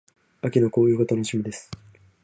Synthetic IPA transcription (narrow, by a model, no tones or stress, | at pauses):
akʲino̞ko̞ːjɯ̟ːkot̪onoɕimʲid̪e̞sɨ̥